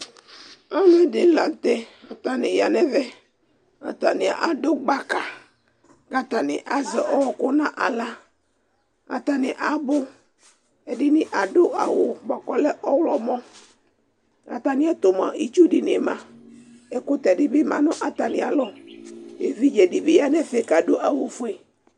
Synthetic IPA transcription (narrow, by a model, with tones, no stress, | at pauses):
a˦mɛ˦dɪ˨˦la˨t̪ɛ˦a˨t̪a˨nɪ˨ja˨nɛ˦vɛ˦ | a̰˨t̪a˨nɪ̃˨a̰˨ʔa˨do˦ɡ͡ba˦ka˨ | ɡa˦t̪a˨nɪ̰˨ʔa˦zɛ˨ʔɔ˦wɔ˨kʊ˦nã˦ʔa˨la˦ | a̰˨t̪a˨nɪ˨ʔa˨bʊ˦ | ɛ˨dɪ˦nɪ˦ʔa˨ɖʊ˦ʔa̰˨wʊ˨ɡ͡bɔ˨kɔ˨lɛ˦ʔɔ˦wlɔ˨mɔ˦ | a̰˨t̪a˨nɪ̃˦a˦t̪o˨m˨a̰˨ʔi˦t͡ʃu˦ɖɪ˨ne˨mã˨ | ɛ˦kʊ˦t̪ɛ˨dɪ˦bɪ˦mã̰˨nʊ̃˦ʔa˨t̪a˨nɪ̃˨a̰˨lɔ˦ | e˨vi˦d͡ʒɛ˨dɪ˦bɪ˦ja˦nɛ˦fɛ˦ka˨ɖo˦ʔa˨wʊ˨fʊ˦e˨